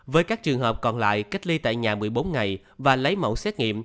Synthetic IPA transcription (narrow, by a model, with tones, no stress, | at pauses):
vəː˨˦jkaː˦˥k̚t͡ɕɨ˨˩əŋhɦəː˨˩p̚kɔ˨˩nla̰ː˧˨jka˦˥k̚li˧t̪a̰ː˧˨jɲaː˨˩mɨ˨˩əjɓo˨˦nŋa˨˩j | vaː˨˩lə˨˦jmə̰˧˩wsɛ˦˥t̚ŋḭ˧˨əm